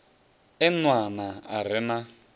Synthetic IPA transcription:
ɛnwanaa̰ɾ̤ɪna

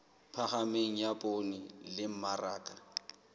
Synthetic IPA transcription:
pʰaχameŋ̩japʼonilɪm̩maraːkʼa

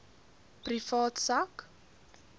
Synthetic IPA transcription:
prifɔːt̪sak

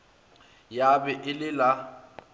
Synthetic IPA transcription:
jabɛʔɪlɪla

